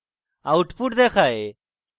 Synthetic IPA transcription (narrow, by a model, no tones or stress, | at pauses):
aːʊʈpuːʈd̪eːkʰaːeː